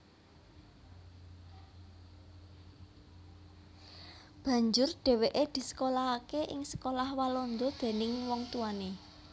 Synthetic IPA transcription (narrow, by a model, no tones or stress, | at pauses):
b̥a̤ɲd͡ʒʊrɖ̥e̤weʔed̪̥i̤sə̥kolaːkeʔɪ̰ŋsə̥kolahwalɔnd̪ɔd̪̥e̤nɪŋwɔŋt̪uane